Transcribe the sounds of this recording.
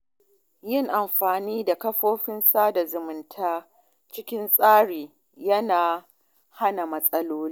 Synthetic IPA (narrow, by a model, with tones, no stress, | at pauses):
jɪ˦ŋʔa˨mɸaː˨niː˦da˨kɐ˦ɸoː˦ɸɪ˦nsaː˦da˨zʊ˨mʊ˨ntʰaː˦ | t͡ʃɪ˦kʲɪ˦nsʼaː˦ɽiː˨ | jɐ˦naː˨ | ha˦na˨mɐ˦sʼɐ˦loː˦li˦